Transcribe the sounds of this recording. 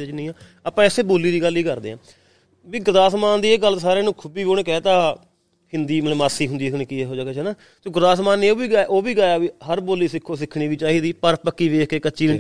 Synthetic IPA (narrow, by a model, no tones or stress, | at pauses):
et͡ʃnĩːaː | əpãːɪseːboːlːiːd̪iːɡəliːkəɾd̪eːãː | ʋiːɡʊɾd̪aːsmaːnd̪iːeːɡəlːsaːɾeːnũːkʰʊbiːʋionẽːkɛːt̪aː | hɪnd̪iːmlːmaːsiːɦʊnd̪iːneːkɪeːɦoːd͡ʒaːkeːnaː | t̪oːɡʊɾd̪aːsmaːnːeːoːʋiːɡaːʔoːʋiːɡaːjaːʋiːɦəɾboːlːiːsɪkʰːõːsɪkʰɽiːʋiːt͡ʃaːɦiːd̪iːpəɾpəkːiːʋeːkʰkeːkəːʃiː